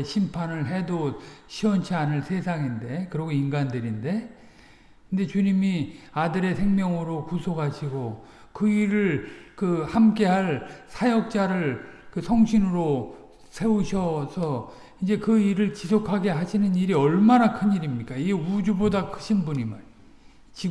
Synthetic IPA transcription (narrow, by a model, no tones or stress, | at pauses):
ɕʰimpʰanɯɭɦe̞doɕʰiwʌnt͡ɕʰianɯɭsʰe̞sʰaŋinde̞kɯɾʌɡoinɡandɯɾinde̞ | kɯnde̞t͡ɕuɲimiadɯɾe̞sʰe̞ŋmjʌŋɯɾokusʰoɡɦaɕʰiɡo | kɯiɾɯɭkɯhamk͈e̞ɦaɭsʰajʌk̚t͡ɕ͈aɾɯɭkɯsʰʌŋɕʰinɯɾo | sʰe̞uɕʰʌsʰʌ | ind͡ʑe̞kɯiɾɯɭt͡ɕisʰokʰaɡe̞ɦaɕʰinɯniɾiʌɭmanakʰɯɲiɾimɲik͈aiɡud͡ʑubodakʰɯ̥ɕʰinbuɲiman | t͡ɕi